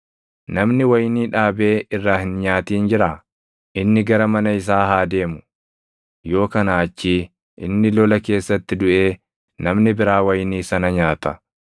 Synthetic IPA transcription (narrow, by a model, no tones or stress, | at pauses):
nɐmnɪwɐjniːᶑaːbe̞ːɪrːaːhɪnɲaːt̪iːnd͡ʒɪɾaː | ʔɪnːɪɡɐɾɐmɐnɐɪs̬aːɦaːd̪e̞ːmʊ̥ | jo̞ːkɐnaːt͡ʃːiː | ʔɪ̰nːɪlɔlɐke̞ːsːɐt̪ːɪd̪ʊʔe̞ː | nɐmnɪbɪɾaːwɐjniːsɐnɐɲaːt̪ɐ